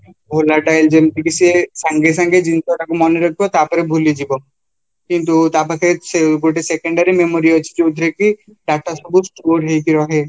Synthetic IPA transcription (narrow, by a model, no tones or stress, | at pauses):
bʱolaʈaeld͡ʒemtikisesaŋɡes̬aŋɡed͡ʒint̪ɔʈakumɔneɾɔkʰibɔt̪apɔɾebʱulid͡ʒibɔ | kint̪̬ut̪apɔkʰeɾeseɡoʈesekeɳɖaɾimemoɾiɔt͡ʃʰi̥d͡ʒeud̪ʱɾekiɖak̚ʈasɔbusʈoɾɦejkiɾɔɦe